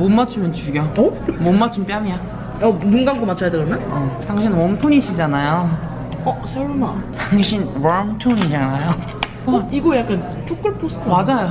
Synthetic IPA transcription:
momːat͡ɕʰumjʌnt͡ɕuɡjʌʌmomːat͡ɕʰump͈jamia | ʌmunɡamkomat͡ɕʰʌjadeɡʌmjʌnɯtaŋɕʰinwʌmtʰoɲiɕʰid͡ʑanajo | ʌsʰaɭmataŋɕʰinwamtʰoɲid͡ʑanajo | iɡojak͈an | t͡ɕʰok͈ɯɭpʰosʰtʰomad͡ʑajo

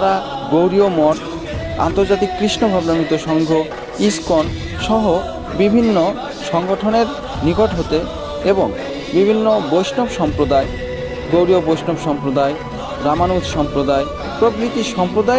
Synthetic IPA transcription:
aɾa | ɡowɾiomɔʈ | a̰nt̪oɾd͡ʑat̪ikːɾiʃnobʱabnonit̪oʃɔŋɡʱo | iskon | ʃɔɦo | bibʱinːo | ʃɔŋɡoʈʰoneɾ | niɡoʈɦot̪e | eboŋ | bibʱinːobojʃnobʃɔmpɾod̪ae | ɡowɾiobojʃnobʃɔmpɾod̪ae | ɾamanut̪ʃɔmpɾod̪ae | pɾobɾit̪iʃɔmpɾod̪a

